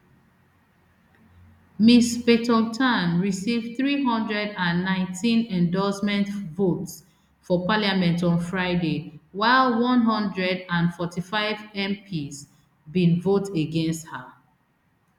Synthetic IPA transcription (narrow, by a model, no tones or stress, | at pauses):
mispetɔltʰãnɹisivdθɹiɦɔ̃ndɹɛdãnːãɪ̃ntʰĩnɛ̃ndɔsmɛ̃ntvots | fɔpaliamɛ̃ntɔ̃nfɹaɪdewaɪlwɔ̃nɦɔ̃ndɹɛdãnfɔtifaɪvɛ̃mpʰiz | bĩnvoteɡɛ̃nstha